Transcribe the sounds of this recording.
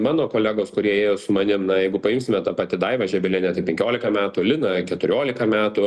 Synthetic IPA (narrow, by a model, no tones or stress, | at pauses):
mɑːnoːkoːlʲæːɡoːskʊɾʲiɛeːjoːsʊmɐnʲɪmnɐjɛɪɡʊpɐjɪmʲsʲɪmʲɛt̪ɑpɑːt̪ʲɪd̪ɐɪʋɐʒʲɛbʲɛlʲɪnʲɛt̪ɐɪpʲɛŋʲkʲoːlʲɪkɐmʲæːt̪ʊlʲɪnɐkʲɛt̪ʊɾʲoːlʲɪkɐmʲæːt̪ʊ